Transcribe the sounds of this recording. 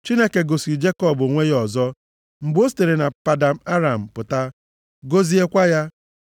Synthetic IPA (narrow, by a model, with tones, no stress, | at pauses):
t͡ʃi˦ne˦ke˨ɡo˨si˨d͡ʒe˦kɔ˦˨bo˨ŋʷe˦jɔ˨zɔ˦ | m̩˨ɡ͡bo˦s̬te˨ɾe˨na˨pa˨da˨m̩˦a˦ɾa˨m̩˨pʊ˨ta˦ | ɡo˦zi˦e˦kʷa˦ja˦